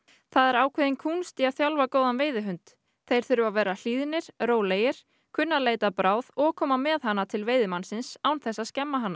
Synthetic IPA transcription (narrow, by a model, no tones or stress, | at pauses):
θaðɛɾaːwkʰɛðɪnkʰuːnst̪ɪaðθjalvakoːwðanveːjðɪɦʏnt̪ | θejɾ̥θʏɾʏvavɛːɾal̥iːðɪnːɪɾ̥ɾoːwleːjɪɾ̥ | kʰʏnːaleːjt̪apɾaːwðɔɣkʰɔːmamɛðhanːat̪ʰɪlveːjðɪmansɪnsawnθɛsːaðscɛmːaɦanːa